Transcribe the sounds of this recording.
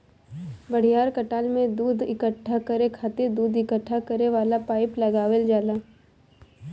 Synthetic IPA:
bɐɽ̤ijaːɾkɐʈaːlmẽd̪uːd̪ɪkəʈʰːakəɾekʰaːt̪ed̪uːd̪ɪkəʈʰːakəɾeʋaːlapaːɪplɐɡaːʋeld͡ʒaːlaː

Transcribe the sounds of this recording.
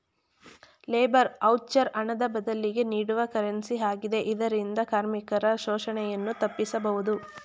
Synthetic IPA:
leːbɐɾɐwt͡ʃːɐɾɐɳɐd̪ɐbɐd̪ɐlːiɡe̞niːɽuʋɐkɐɾɐnsiɦaːɡid̪e̞ʔid̪ɐɾind̪ɐkaːɾmikɐɾɐʃɔːʃɐɳɛjɐnːut̪ɐpːisɐbɐʋud̪u

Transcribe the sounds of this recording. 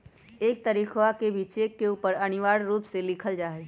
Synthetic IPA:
eːk̚t̪əɾiːxʋakebʱit͡ʃeːkːeuːpəɾɐñɪʋaːɽɾuːpselɪkʰəld͡ʒaːɦe

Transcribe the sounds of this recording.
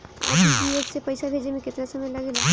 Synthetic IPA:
a̰ːiloːɡsepɐjsabʱeːd͡ʒemẽkɪt̪nasɐməjlɐɡela

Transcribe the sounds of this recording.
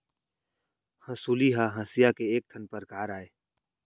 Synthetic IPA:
hɐ̃suliɦaɦɐ̃sɪjakeeːk̚t̪ʰənpəɾkaːɾaːeː

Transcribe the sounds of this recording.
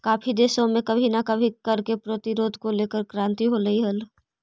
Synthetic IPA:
kaːpʰid̪eːʃõmẽkɐbʱinɐkɐbʱikɐɾkepɾoːt̪iɾoːd̪ʱkoleːkəɾkɾãːnt̪iɦolɐɦiɦəl

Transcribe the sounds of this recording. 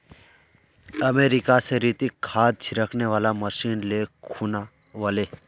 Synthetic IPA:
ɐmeːɾɪkaseɾiːt̪ikʰːaːd̪̚t͡ʃʰɾəkʰneʋaːlaməʃiːnlekʰuːna | ʋaleː

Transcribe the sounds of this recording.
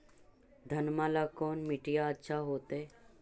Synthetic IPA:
d̪ʱənmalakonmiʈijaətːɕʰaɦot̪e

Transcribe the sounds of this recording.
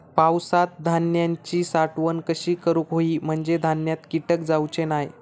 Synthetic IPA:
pawsat̪̚d̪ʱanjaɲt͡ɕiːsaʈʋənkəɕiːkəɾukɦoiːm̤əɳd͡zed̪ʱanjat̪kiʈək̚d͡zawt͡ɕenaj

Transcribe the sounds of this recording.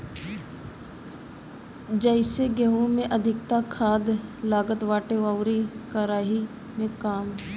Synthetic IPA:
d͡ʒəɪseɡɛɦumẽʔəd̪ʱɪkt̪akʰaːd̪laːɡət̪ʋaːʈeʋaːwɾekəɾaːɦi | mẽkaːm

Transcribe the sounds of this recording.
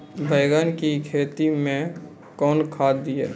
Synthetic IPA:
bʱəːɡənkikʰeːt̪imẽ | kɔːnkʰaːd̪d̪iḛː

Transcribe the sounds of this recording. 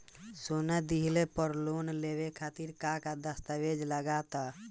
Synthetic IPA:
sonɛd̪iɦlepəɾlonleʋekʰat̪iɾkakad̪əst̪əʋed͡ʒləɡat̪a

